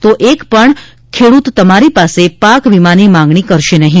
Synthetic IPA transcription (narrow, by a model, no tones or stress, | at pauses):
t̪oʔekpəɳ | kʰeɽut̪ːəmaɾipasepakʋimanimãŋɡɳikəɾʃenəɦĩ